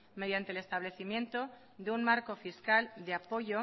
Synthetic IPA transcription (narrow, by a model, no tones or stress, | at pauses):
me̞ð̞jant̪ele̞st̪aβle̞θimjẽ̞nt̪o̞ | ðeunmaɾko̞fiskald̪eapo̞ʝo